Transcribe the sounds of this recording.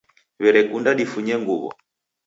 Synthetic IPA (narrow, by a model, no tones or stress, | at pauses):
βɛɾɛkundaɗifuɲɛŋɡuβɔ̰